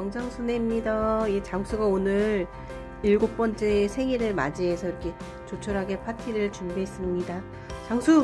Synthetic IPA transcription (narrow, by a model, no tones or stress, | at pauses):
jʌŋd͡ʑaŋsʰune̞mɲidaiet͡ɕaŋsʰuɡaonɯɾ | iɭɡok̚p͈ʌnt͡ɕ͈e̞ːsʰe̞ŋiɾɯɭma̰d͡ʑiɦe̞sʰʌiɾʌkʰe̞ | t͡ɕot͡ɕʰʌɾɦaɡe̞pʰatʰiɾɯɭt͡ɕundeɦes͈ɯmɲida | t͡ɕaŋsʰu